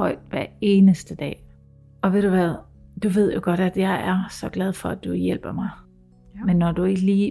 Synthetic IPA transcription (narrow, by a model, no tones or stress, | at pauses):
ɒ̽ɪ̰d̥ʋæɐe̝ːnəsd̥əd̥ɛ̰ː | ɒ̽ʋe̝d̥uʋæðˠ | d̥uʋe̝ð̞̰ˠjo̝ɡ̥ɒ̽ɾ̥æd̥jɑ̈ɪæɐsɒ̽ɡ̥lɛð̞ˠfɒ̽æd̥ujel̰b̥ɐmɑ̈ɪ | menːɒd̥ue̝ɡ̥əliː